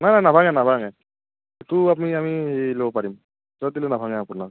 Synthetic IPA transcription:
najnajnabʱaŋanabʱaŋaj | etuap̬uniamiɦelobɔpaɹim | sɔdilonabʱaŋɛapʊnak

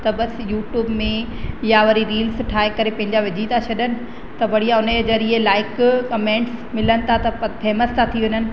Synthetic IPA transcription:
t̪ɐɓɐsjuːʈjuːbmẽ | jaʋɐɾiɾiːlsʈʰaːɦekɐɾepɐ̃ɦɪ̃ɲd͡ʑaʋɪd͡ʑit̪ʰat͡ɕʰɐɗənɪ̆ | t̪ɐʋɐɽ̤ijaʊnəzɐɾielaːɪkkɐmẽːɳʈs | mɪlənɪ̆t̪ʰat̪ɐfɛːməst̪ʰat̪ʰiʋɪɲənɪ̆

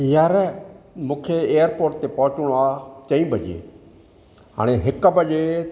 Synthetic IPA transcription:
jəɾmũːkʰeeːjəɾpoːɾʈ̚t̪epɐɦʊt͡ʃɽ̃oaːt͡ʃɐĩbʱəd͡ʒḭḛ | ɦa̰ːɽ̃eɦɪkbəd͡ʒe

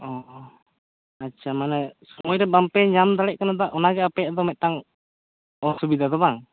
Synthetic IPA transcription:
ɔʔ | at͡ʃamanɛsumɔjɾɛbampɛɲamt̪alɛʔkanat̪̬aʔunaɡɛapɛt̪ɔmɛʔt̪aŋ | ɔsubid̪at̪̬ɔbaŋ

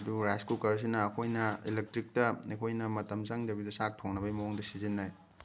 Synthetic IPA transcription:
duɾajskukɐɾɐs̬inɐːkʰojnɐilek̚tɾik̚tɐɐkʰojnɐmɐtɐmzaŋdɐbidɐsak̚tʰoŋnɐbɐjmɐoŋdɐsizinːaj

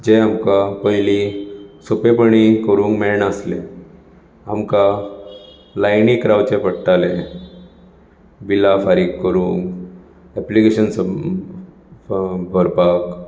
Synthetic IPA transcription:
d͡ʑẽamkapəɦlisopepəɳ̃ikəɾũːŋkmɛɭɳəslẽ | amka | lajniːkɾaʋt͡ɕepəɽʈalẽ | bilafaɾiːkːəɾũːŋk | ɛplikeɕənsə | bʱəɾpak

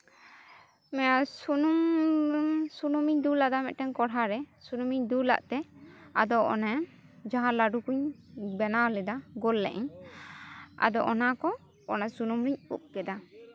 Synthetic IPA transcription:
mɛjasunum | sunumiɲd̪ulad̪amɛʔ̪̚ʈɛnkɔɽɦaɾɛsunumiɲd̪ula̰ʔt̪ɛa̰d̪ɔʔɔ̰nɛ | d͡ʒaɦãlaɖukuɲbɛnalɛd̪aɡɔlːɛ̰ʔɛɲ | a̰d̪ɔʔɔnakɔː | nasunumɾiɲṵp̚kɛd̪a

